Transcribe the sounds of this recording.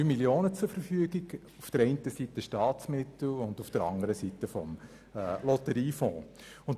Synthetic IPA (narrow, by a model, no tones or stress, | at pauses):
ymiljoːnət͡sufəɾfyəɡɪɡ | ufd̥əɾɛɪntəsitəʃtɑːtt͡smɪtl̩ʊndufd̥əɾɑ̰ŋəɾəsitəfɔ̰mː | lɔtəɾiːfɔ̃ː | ʊnt